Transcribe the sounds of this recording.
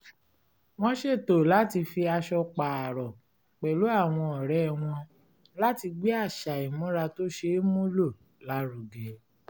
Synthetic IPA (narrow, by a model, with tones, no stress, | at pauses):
w̃ɔ̃˦ʃe˦˨to˨la˨˦ti˧fi˧a˧ʃɔ˧k͡pa˨a˨ɾɔ˨ | k͡pɛ˨lo˨˦a˦˨w̃ɔ̃˧ɔ˨ɾɛ˨˦w̃ɔ̃˧ | la˦ti˧ɡ͡be˦a˦˨ʃa˨i˨mũ˨˦ɾa˧to˦ʃe˧˦mũ˦lo˦˨ | la˨˦ɾu˨ɡɛ˨